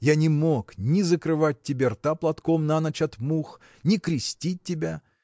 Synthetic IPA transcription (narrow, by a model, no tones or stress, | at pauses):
janʲɪmoknʲɪzəkɾɨvat̚ʲtʲːɪbʲert̪aplˠɐt̪komnanɐt͡ɕɐt̪mux | nʲɪkɾʲɪsʲtʲit̚ʲːɪbʲa